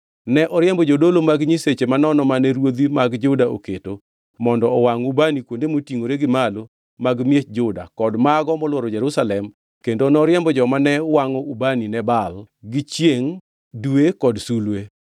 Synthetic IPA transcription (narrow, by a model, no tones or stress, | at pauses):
nɛʔɔɾjɛmbɔd͡ʒodolomaɡɲiset͡ʃemanɔnɔmanɛɾwod̪imaɡd͡ʒʊdaʔo̰keto | mɔndɔɔwaŋubanikwondemotiŋoɾeɡɪmalo | maɡmjet͡ʃd͡ʒʊda̰kɔdmaɡɔmɔlwɔɾɔd͡ʒɛɾusalɛm | kendonɔɾjɛmbɔd͡ʒɔmanɛwaŋɔubaninɛbal | ɡɪt͡ʃjeŋ | dwekɔdsulwe